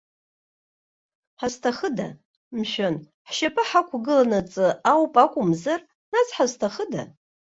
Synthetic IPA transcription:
ħaztʰaχəda | mʃᶣon | ħʃapʼɨħakʷʰɡɨlanat͡sʼɨawpʼakʷʼʊmzar | nazħaztʰaχəda̰

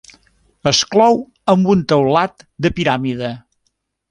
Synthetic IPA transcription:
əsklɔw | əmbunt̪əwlat̪d̪əpiɾamiðə

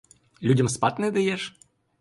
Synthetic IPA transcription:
lʲudʲɐmspat̪nɨd̪ɐjɛʂ

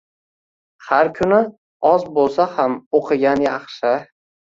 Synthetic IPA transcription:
haɾkʲʰʊnɪ | ɒzbolˠsahamoqʰɨɡʲanjaχʃɪ

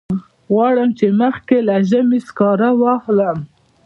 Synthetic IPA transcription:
ɣwɑɽəmt͡ʃeməxkelaʒəmiskɑɾawɑhləm

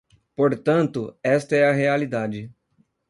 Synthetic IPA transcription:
poɾt̪ɐ̃nt̪ʊɛst̪ɐɛɐɦealid̪ad͡ʒɪ

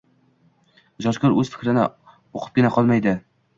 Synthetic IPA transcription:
ʒɒʃkʲʊɾɵzfɪ̥kʲɾɪnɪ̰ | oqʰɨ̥p̚kʲɪnaqʰɒlˠmajd̪ɪ

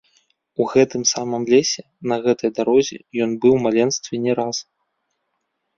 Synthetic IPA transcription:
uɣɛt̪ɨmsamɨmlʲɛsʲɛ | nɐɣɛt̪ɐjd̪aɾɔzʲɛ̰jɔnbɨwmalʲɛnst̪vʲɛnʲɛɾas

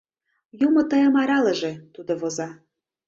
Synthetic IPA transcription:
jumɤ̆t̪ɤjə̆mɑɾɑlə̆ʒĕt̪ud̪oβozɑ

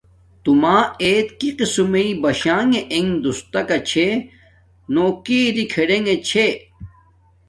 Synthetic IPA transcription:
t̪umaːeːt̪kiqisumeibɐɕãːŋeʔeŋd̪ust̪ɐkɐt͡ɕʰe | noːkiːɾikʰeɽeŋɡet͡ɕʰe

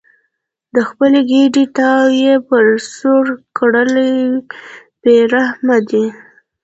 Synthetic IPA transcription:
d̪əxpəleɡeɖit̪ɑwjepəɾsoɾkɽələ | b̥eɾahmad̪i

